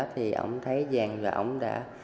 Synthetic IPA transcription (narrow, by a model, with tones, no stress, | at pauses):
t̪ʰi˨˩ʔə̰˧˥wŋ͡mt̪ʰə˨˦jzaː˨˩ŋvaː˨˩ʔə̰˧˩wŋ͡mɗa̰ː˧˥